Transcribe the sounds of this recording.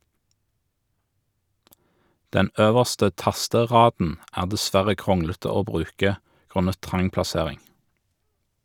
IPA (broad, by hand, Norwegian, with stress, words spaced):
ˈdɛn ˈøːʋəʁstə ˈtɑstəˌʁɑːdn̩ ˈæːʁ dɛˈsʋæʁə ˈkʁʊŋlətə ˈoː ˈbʁʉːkə ˈɡʁʉnə ˈtʁɑŋ plɑˈseːʁɪŋ